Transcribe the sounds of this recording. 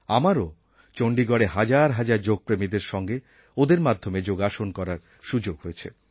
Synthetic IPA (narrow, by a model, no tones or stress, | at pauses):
amaɾo | t͡ɕoɳɖiɡɔɽeɦad͡ʑaɾɦad͡ʑaɾd͡ʑoɡ̚pɾemid̪eɾʃɔŋɡe | od̪eɾmad̪ʱːomed͡ʑoɡaʃonkɔɾaɾ | ʃud͡ʑoɡɦojet͡ɕʰḛ